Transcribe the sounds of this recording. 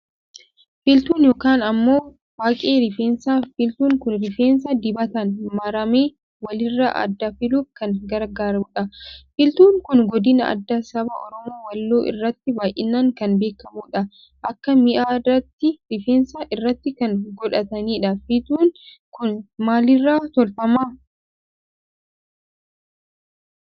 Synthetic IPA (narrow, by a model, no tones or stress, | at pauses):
fɪlt̪uːnjoːkaːnɐmːo̞ː | waːkʼeːɾɪfeːnsaːfɪlt̪uːŋkʊnɾɪfeːns̬ɐd̪ɪbɐt̪ɐnmɐɾɐmeː | wɐlɪrːɐʔɐ̰d̪ːɐfɪluːfkɐŋɡɐɾɡaːɾɐmuːᶑɐfɪlt̪uːŋkʊnɡɔd̪ɪnɐʔɐ̰d̪ːasɐbɐ̰ʔɔɾɔmoːwɐlːoːʔɪ̰rːɐt̪ːɪbaːjʔɪnːaŋkɐnbe̞ːkːɐmuːᶑɐ | ʔɐkːɐmɪʔaːrɐt̪ːɪɾɪfeːnsaːʔɪrːɐt̪ːɪkɐŋɡɔᶑɐt̪ɐniːᶑɐfɪt̪uːŋ | kʊnmaːlɪrːaːt̪ɔlfɐmaː